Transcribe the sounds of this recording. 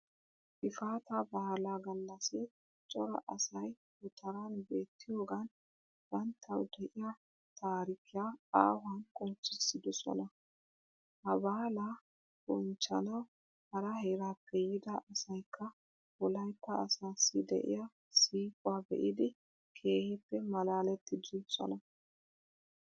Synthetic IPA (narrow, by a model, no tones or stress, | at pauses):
ʔɪfaːt̪ɐbɐːlaɡɐlːɐsɪ | t͡ʃʼɔɾɐ̰ʔɐsɐj | bʊt̪ʰɐɾanbe̞ːt̪ːɪjo̞ːɡɐn | bɐnt̪ʰːɐwd̪ɛʔɪja | t̪ʰaːɾɪkʰːɪjaa̰ːwɐnkʼʊnt͡ʃːɪsːɪd̪ɔsɔ̰nɐ | hɐbaːla | bʊnt͡ʃːɐ̰nɐw | hɐɾɐɦeɾaːpːɛjɪd̪ɐʔɐsɐjkʰːɐ | bɔlɐjt̪ːɐːsaːsːɪd̪ɛ̰ʔɪ̰ja | siːkʼʊabɛ̰ʔɪd̪ɪ | kʰe̞ːhɛpːɛmɐlaːlɛt̪ːɪd̪ɪsɔ̰nɐ